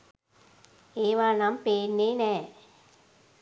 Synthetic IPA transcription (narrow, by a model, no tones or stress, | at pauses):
eːʋanampeːnːenɛ